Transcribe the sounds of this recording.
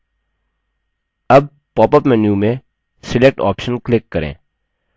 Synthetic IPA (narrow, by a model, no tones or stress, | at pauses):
ɐb̚ | pɔːpəpmɛːnjumẽ | sɪlek̚ʈɔ̰ːpʃənklɪkːɐɾḛ̃ː